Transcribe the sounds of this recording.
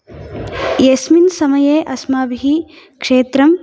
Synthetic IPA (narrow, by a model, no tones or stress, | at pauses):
jesminsɐmɐjeːʔɐsmaːbʱiɦi | kʂeːt̪ɾɐm